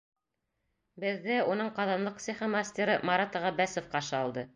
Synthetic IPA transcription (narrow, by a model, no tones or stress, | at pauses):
bɘ̆ðːɘunɤɴqɑðɑnlˠɤq̚sʲiχɤmasʲt̪ʲeɾɤmaɾat̪əʁɑbæsofqɑʃɤɑlˠd̪ɤ